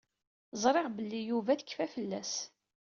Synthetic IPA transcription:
zˤɾˤeʁbəlːijuvæθəkːfæfəlːæs

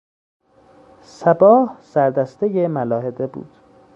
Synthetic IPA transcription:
sæbɒːhsæɾd̪æst̪e̞jemælɒːhed̪e̞bṵːd̪̥

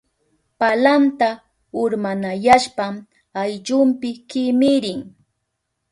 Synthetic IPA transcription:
palant̪a | ʊɾmanajaʃpam | ajʎʊmpɪkɪmɪɾɪŋ

